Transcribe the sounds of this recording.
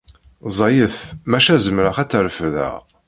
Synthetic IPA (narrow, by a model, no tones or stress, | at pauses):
zˤɑjəθmæʃæzəmɾəχæt͡sːəɾəfðæ̰ʁ